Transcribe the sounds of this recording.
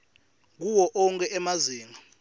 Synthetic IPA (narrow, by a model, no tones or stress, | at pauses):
k̬uwɔʔɔŋkʼɛɛmaziːŋʱa